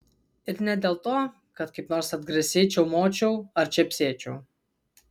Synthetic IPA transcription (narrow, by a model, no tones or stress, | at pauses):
ɪɾnʲɛd̪ʲɛːlˠt̪oː | kɐt̪kɐɪpnɔːɾsɐd̪ɡɾʲɛsʲeːt͡ʃʲɛwmoːt͡ʃʲɛwɐɾt͡ʃʲɛpʲsʲeːt͡ʃʲɛw